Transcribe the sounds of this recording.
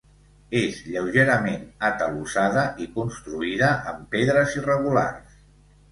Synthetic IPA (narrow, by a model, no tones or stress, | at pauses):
ezʎəwʒeɾəmenət̪əlusaðəʔikunst̪ɾuiðəʔəmpeðɾəzirəɣula̰rs